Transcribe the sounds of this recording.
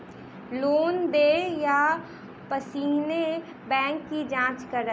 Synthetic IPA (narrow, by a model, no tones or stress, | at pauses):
loːnd̪eːja | pəsiːne | bɛ̃ːŋkːid͡ʒãːt͡ʃkɐɾə